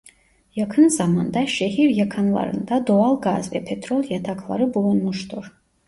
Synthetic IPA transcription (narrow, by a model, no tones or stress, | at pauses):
jakʰɨnzamand̪aʃehirjakʰanla̰ɾɨ̰nd̪adoalɡazvḛpʰet̪ʰrolʲjatʰakʰlˠa̰ɾɨbulunmuʂtʰur